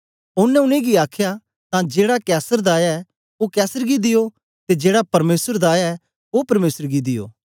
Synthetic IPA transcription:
ʊnɛ̃ʊnẽɡiaːkʰja | t̪ãd͡ʒeːɽakɛːsəɾd̪aːjaɛ | okɛːsəɾɡid̪ɪjo | t̪ed͡ʒeːɽapɐɾmeːsəɾd̪aːjaɛ | opɐɾmeːsəɾɡid̪ɪjo̰ː

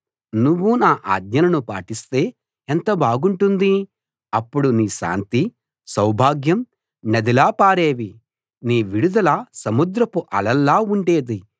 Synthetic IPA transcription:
nuʋːunaːʔa̰ːd̪ɲɐnɐnupaːʈist̪e̞ː | ent̪ɐbaːɡuɳʈund̪i | ɐpːuɽuniːʃa̰ːnt̪i | sɐwbʱaːɡjɐm | nɐd̪ilaːpaːɾe̞ːʋi | niːʋiɽud̪ɐlɐsɐmud̪ɾɐpuʔɐ̰lɐlːaːuɳɖe̞ːd̪i

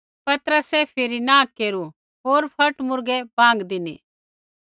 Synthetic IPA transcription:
pɐt̪ɾəsɛpʰɪɾinakeːɾu | ɦoːɾpʰɐʈmʊɾɡɛbãːŋɡd̪ɪnḭː

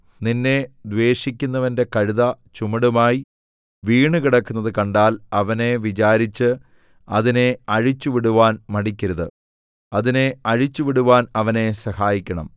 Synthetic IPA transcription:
ninːe̞d̪ʋe̞ːʂikʲːunːɐʋɐnde̞kɐɻuðɐt͡ɕumɐɽumaːji | ʋiːɳɨkiɽɐkːunːɐðɨkɐɳɖaːlɐʋɐne̞ʋit͡ɕaːɾit͡ɕːɨ | ɐ̰ðine̞ɐɻit͡ɕːuʋiɽuʋaːnmɐɽikʲːɐɾɐðɨ | ɐðine̞ɐɻit͡ɕːuʋiɽuʋaːnɐʋɐne̞sɐhaːjikʲːɐɳɐ̰m

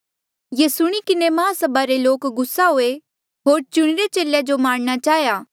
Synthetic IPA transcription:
jeːsʊɽ̃ikɪnemãːsɐbaɾeloːkɡʊsːaɦoːe | ɦoːɾt͡ʃʊɽ̃ɪɾet͡ʃeːljad͡ʒomaːɽ̃ɽ̃at͡ʃaːɦjaː

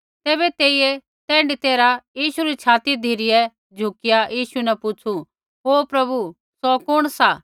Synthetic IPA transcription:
t̪eːbɛt̪eːie | t̪ɛ̃ːɳɖit̪eːɾajiːʃuɾit͡ʃʰaːt̪id̪ʱiɾɪjɛ | d͡ʒʱʊkɪjajiːʃunɛpʊt͡ʃʰu | ɦoːpɾɐbu | sɔkʊɽ̃sa

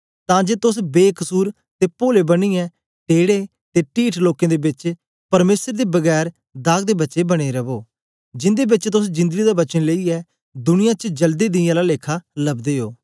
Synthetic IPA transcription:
t̪ãːd͡ʒeːt̪ʊsbeːkəsuːɾ | t̪eːpoːleːbəniːɛː | ʈeːɽeː | t̪eːʈiːʈʰloːkẽːd̪eːbɪt͡ʃ | pəɾmeːsəɾd̪eːbəɡɛːɾ | d̪aːɡd̪eːbətːt͡ʃebəɽ̃eːɾəboː | d͡ʒɪnd̪eːbɪt͡ʃt̪ʊsd͡ʒɪ̃nd̪əɡid̪aːbət͡ʃənleiɛː | d̪ʊnɪjãːt͡ʃəd͡ʒəld̪iːd̪ɪãːlaːleːkʰaːləbd̪eːɦoː

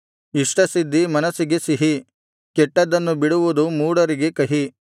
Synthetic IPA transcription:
iʂʈɐsid̪ːimɐnɐsiɡesiɦi | kɛʈːɐd̪ɐnːubiɽuʋud̪umuːɽɐɾiɡe̞kɐɦi

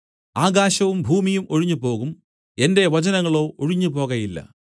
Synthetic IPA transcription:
aːɣaːɕɐʋumbʱuːmijumoɻiɲːupo̞ːɣum | e̞nde̞ʋɐt͡ɕɐnɐŋːɐɭo̞ːoɻiɲːupo̞ːɣɐjilːɐ̰

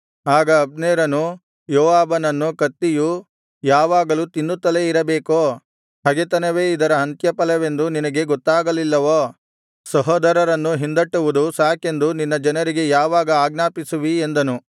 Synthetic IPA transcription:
aːɡɐːb̚neːɾɐnu | jɔːʋaːbɐnɐnːukɐt̪ːiju | jaːʋaːɡɐlut̪inːut̪ːɐleiɾɐbeːkoː | ɦɐɡet̪ɐnɐʋe̞ːid̪ɐɾɐɦɐnt̪jɐpɐlɐʋe̞nd̪uninɐɡe̞ɡɔt̪ːaːɡɐlilːɐʋoː | sɐɦɔːd̪ɐɾɐɾɐnːuɦind̪ɐʈːuʋud̪usaːke̞nd̪uninːɐd͡ʒɐnɐɾiɡe̞jaːʋaːɡɐaːɡnaːpisuʋiend̪ɐnu

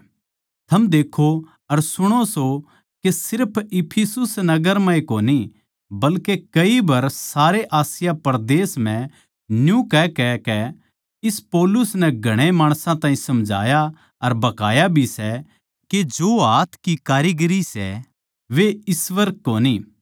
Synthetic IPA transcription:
t̪ʰɐmd̪eːkʰo | ɐɾsʊɽ̃oso | kesɪɾpʰɪpʰɪsʊsnɐɡəɾmãːĩkoːni | bɐlkekɐibɐɾsaːɾeʔaːsɪjapɐɾd̪eːsm̤ɛ̃ | njũkɛkɛkɛ | ɪspɔːlʊsnɛɡʱɐɽ̃emaːɽ̃sãt̪ãːĩsɐmd͡ʒʱa̰ːja | ɐɾbɐkaːjabʱisɛ | ked͡ʒoːɦaːt̪ʰkikaːɾiɡɾisɛ̰ | ʋeɪsʋɐɾk̚koːni

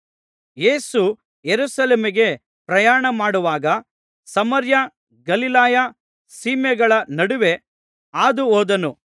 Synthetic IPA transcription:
je̞ːsu | jeɾuːsɐleːmiɡe̞ | pɾɐjaːɳɐmaːɽuʋaːɡɐ | sɐmɐɾja | ɡɐlilaːja | siːmɛɡɐɭɐnɐɽuʋe̞ | aːd̪uoːd̪ɐnu

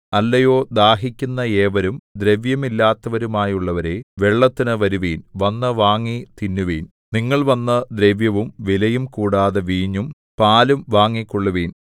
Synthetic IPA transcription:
ɐlːɐjo̞ːd̪aːɦikʲːunːɐeːʋɐɾumd̪ɾe̞ʋjɐmilːaːt̪ːɐʋɐɾumaːjuɭːɐʋɐɾe̞ʋe̞ɭːɐt̪ːinɨʋɐɾuʋiːnʋɐnːɐʋaːŋːit̪inːuʋiːn | niŋːɐɭʋɐnːɐd̪reʋjɐʋumʋilɐjumkuːɽaːðeʋiːɲːum | paːlumʋaːŋːikːoɭːuʋiːn

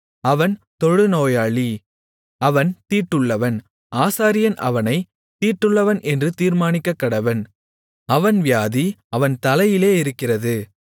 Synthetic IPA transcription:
ɐʋɐnt̪ɔɻɯnoːjaːɭi | ɐʋɐnt̪iːʈːɯɭːɐʋɐn | ʔaːsaːɾɪjɐnʔɐ̰ʋɐnɐɪ | t̪iːʈːɯɭːɐʋɐnʔɛndrɯt̪iːɾmaːnɪkːɐkːɐɽɐʋɐn | ɐʋɐnʋɪjaːðiɐʋɐnt̪ɐlɐjɪleːɪɾɯkːɪrɐðɯ

